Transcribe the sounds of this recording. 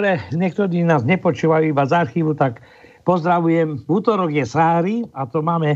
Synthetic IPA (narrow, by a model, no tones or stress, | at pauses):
ɾɛɲɛk̚t̪ɔd̪iːnaːzɲɛpɔt͡ʃuːʋajuːibazaɾxiːʋut̪ak | pɔzd̪ɾaʋujɛmuːt̪ɔɾɔɡjɛsɾaːɾiat̪ɔmaːmɛ